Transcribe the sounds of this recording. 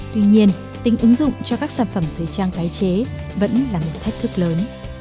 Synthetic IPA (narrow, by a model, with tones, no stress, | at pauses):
t̪wi˧ɲi˧ən | t̪i˨˦ŋ̟ʔɨ˨˦ŋzʊ̰˧˨ŋ͡mt͡ɕɔ˧kaː˦˥k̚saː˧˩nfə˧˩mt̪ʰəː˨˩jt͡ɕaː˧ŋt̪aː˨˦jt͡ɕe˨˦və̰˧˥nlaː˨˩mo˨˩t̚t̪ʰa˦˥jk̚t̪ʰɨ˦˥k̚ləː˨˦n